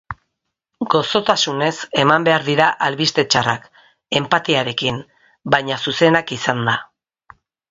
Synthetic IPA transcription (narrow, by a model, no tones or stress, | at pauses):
ɡo̞so̞t̪asune̞se̞mambe̞aɾðiɾaʔalβist̪e̞t͡ʃara̰k | e̞mpat̪iaɾe̞kin | bajɲasuse̞nakisand̪a